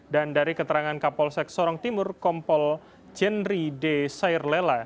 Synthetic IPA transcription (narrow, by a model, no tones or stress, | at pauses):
dandaɾikət̪əɾaŋankapɔlsɛk̚sɔɾɔŋt̪imʊrkɔmpɔl | d͡ʒɛnɾidesaɪrlela